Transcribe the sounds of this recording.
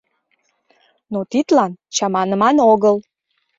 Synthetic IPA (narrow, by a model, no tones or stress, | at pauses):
not̪it̪lɑnt͡ɕɑmɑnəmɑnoɣəl